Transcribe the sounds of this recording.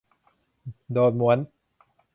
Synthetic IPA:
doː˨˩t̪̚mu˩˦ən

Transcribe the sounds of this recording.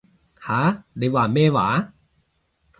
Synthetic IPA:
haː˨˦de˨˦waː˨˩meː˥˧˨wa̰ː˨˦

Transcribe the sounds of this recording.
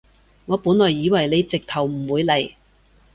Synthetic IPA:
ŋɔː˨˧puː˨˥nlɔː˨˩jːiː˨˧wɐ˨˩jle˨˧jt͡sɪ˨k̚t̪ʰɐ˨˩wm̩˨˩wuː˨˧jlɐ˨˩j

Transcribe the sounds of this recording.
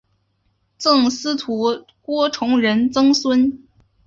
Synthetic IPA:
t͡sɤ˥˩ŋsɹ̩˥t̪ʰu˧˥ | kwɔ˥ʈ͡ʂʰʊ˧˥ŋɻə˧˥nt͡sɤ˥ŋswə˥n

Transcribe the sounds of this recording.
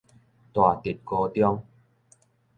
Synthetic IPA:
t̪wa˨˩t̪i˨˩t̚ko˧t̪jɔ˦˧ŋ

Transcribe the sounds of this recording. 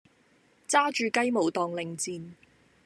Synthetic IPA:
t͡saː˥t͡ʃyː˨˧kɐ˥jmo˨˩wt̪ɔː˨ŋlɪ˨˩ŋt͡siː˧n

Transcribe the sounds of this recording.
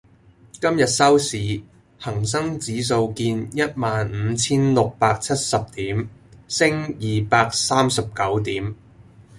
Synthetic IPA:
kɐ˥mjɐ˨t̚sɐ˥wsiː˨˥ | hɐ˨˩ŋs̬ɐ˥ŋt͡siː˨˥s̬o˧wkiː˧njɐ˥t̚maː˨n̩ː˨˧˦t͡sʰiː˥nlʊ˨k̚paː˧k̚t͡sʰɐ˥t̚sɐ˨p̚t̪iː˨˥msɪ˥ŋjiː˨paː˧k̚saː˥msɐ˨p̚kɐ˨˥wt̪iː˨˥m

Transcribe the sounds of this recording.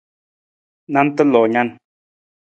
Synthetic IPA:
na˦n˦tə˦lɔ˨ɲa˦˨n

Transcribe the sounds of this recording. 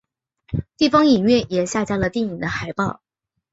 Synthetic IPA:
t̪i˥˩fɑ˥ŋi˨˩nɥɛ˥˩jɛ˨˩ɕja˥˧t͡ɕja˥lə˨t̪i˥˩ŋi˨˩ŋd̪ə˦xa˧˥ɪpɑ˥˩ʊ

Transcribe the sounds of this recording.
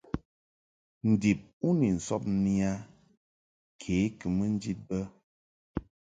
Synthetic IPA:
n̩˨di˨p̚u˦ni˨n̩˨sɔ˦p̚ni˦a˦ | kʰeː˨˦kə˨mə˦n̩˦d͡ʒi˦t̚bə˦

